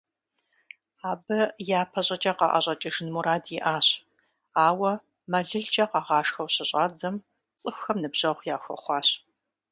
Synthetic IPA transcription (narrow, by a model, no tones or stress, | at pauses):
aːbɐjaːpʰɐɕʼɐt͡ʃʼɐqɑ̰ʔɐ̰ɕʷʼɐt͡ʃʼɐʒɨnmuɾaːdjɪʔaːɕ | aːwɐ | mɐɮɨɮd͡ʒʼɐqɑːʁɑːʃxɐwɕɪɕʼaːd͡zɐm | t͡sʼɨxʷxɐmnɨbʑ̥ɐʁʷjaːxʷɔ̰χʷɑːɕ